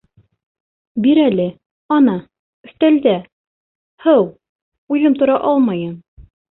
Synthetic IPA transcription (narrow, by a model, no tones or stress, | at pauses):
biɾælɘ | ɒnɑ | ɵ̆st̪æld̪æ | hɤw | ujðɤmt̪ŏɾɑʔɑlˠmɑjɤm